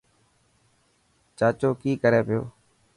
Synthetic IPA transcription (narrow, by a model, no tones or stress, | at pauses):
t͡ʃaːt͡ʃoːkiːkəɾeːpɪjo̰ː